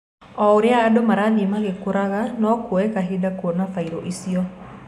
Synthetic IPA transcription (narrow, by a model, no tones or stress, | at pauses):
ɔuɾɪaːdomaɾad̪imaɡekuɾaɣanɔkwoekaɦidakwonafaiɾoʔisiɔ